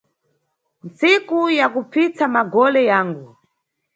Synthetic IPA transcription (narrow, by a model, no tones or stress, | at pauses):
nt͡sikujakup͡fit͡samaɡɔlɛjaːŋɡu